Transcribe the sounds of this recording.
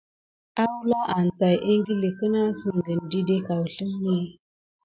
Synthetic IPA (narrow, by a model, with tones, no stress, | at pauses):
a˦wu˦lɔ˦ʔa˨n˨ta˨jʔe˦ŋ˦ɡi˦le˨kə˦na˦sə˨ŋ˨ɡə˨n˨di˦de˦ka˨wə˨ɬə˦m˦ni˦˨